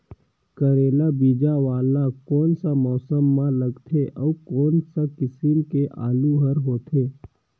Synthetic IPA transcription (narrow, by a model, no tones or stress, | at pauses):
kəɾeːlabiːd͡ʒaʋaːlakɔːnsamɔːsəmːãləɡt̪ʰeʔɔːkɔːnsakɪsɪmkeʔa̰ːluɦəɾɦoːt̪ʰeː